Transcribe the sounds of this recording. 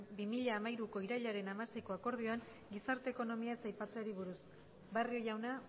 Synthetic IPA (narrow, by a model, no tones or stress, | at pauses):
bimiʎaːmajɾuko̞iɾaʎaɾe̞namasejko̞ako̞ɾð̞io̞aŋ | ɡisaɾt̪e̞ːko̞no̞miaesajpat͡seaɾiβuɾus | bario̞jawna